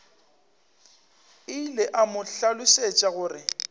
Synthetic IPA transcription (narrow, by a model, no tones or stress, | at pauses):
ɪlɪʔamʊɬalʊset͡ʃʼaɣʊːrɪ